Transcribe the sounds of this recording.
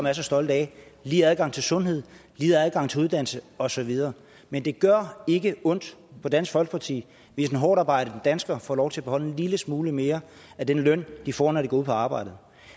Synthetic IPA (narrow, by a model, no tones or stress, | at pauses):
sɒmæɐsɒsd̥ɒ̽ld̥ɛliːæðˠɡ̥ɑ̈ŋ̰t͡sʰe̝lsɔ̽nɦe̝ð̞̰ˠliːðˠæð̞ˠɡ̥ɑ̈ŋ̰t͡sʰe̝uð̞ˠd̥æn̰l̩səɒ̽sɒ̽ʋið̞ˠɐː | mend̥e̝ɡ̥ɶɐ̰e̝ɡ̥əɔ̽n̰d̥pʰɒ̽d̥æn̰sɡ̥fɒ̽l̰ɡ̥pʰɑ̈t͡sʰḭː | ʋe̝sen̩ɦɒ̰ːɾ̥ɑ̈ːb̥ɑ̈ɪ̰ɾ̥ə̥d̥ænsɡ̥ɐfɒ̰ːlɒʊt͡sʰe̝æb̥ehɒ̽l̰enliləsmuːləme̝ːɐæd̥enlœn̰d̥ifɒ̰ːnɒdeɡ̥ɒuð̩̰ˠpʰɒɑ̈ːb̥ɑ̈ɪ̰d̥ð̩ˠ